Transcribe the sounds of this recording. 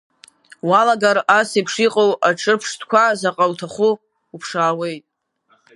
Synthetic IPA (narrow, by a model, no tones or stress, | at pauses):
walaɡaɾasipʰʂiqʼowaʈ͡ʂʰɨrpʰʂtʰkʷʰazaqʼawtʰaχʷʊ | upʰʂaːwe̞jtʼ